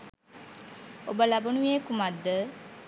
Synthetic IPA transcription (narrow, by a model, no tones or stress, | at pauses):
obəlabənuekumad̪ːə